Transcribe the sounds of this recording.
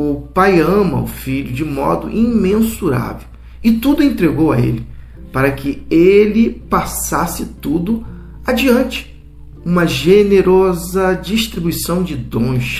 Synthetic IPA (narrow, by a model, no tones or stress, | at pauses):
ʊpajɐ̃mɐ̰ʊ̰fiʎʊd͡ʒɪmɔ̰d̪ʊ̰ʔĩmẽnsuɾa̰vew | ɪt̪ud̪ʊẽnt̪ɾeɡowɐḛlɪ | paɾɐkʰɪelɪpasasɪt̪ud̪ʊ | ad͡ʒiɐ̃nt͡ʃɪ̥ | ũmɐʒeneɾɔzɐd͡ʒiʃt̪ɾibujsɐ̃w̃d͡ʒɪd̪õʃ